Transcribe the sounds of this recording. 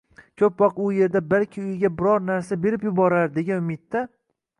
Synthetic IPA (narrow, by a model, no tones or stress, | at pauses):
kʲʰɵpbɒqʊje̞ɾd̪abalkʲʰɪʊjɡʲabɪɾɒɾnaɾsabe̞ɾɪpjʊbɒɾaɾd̪e̞ɡʲanʊmɪt̪ːa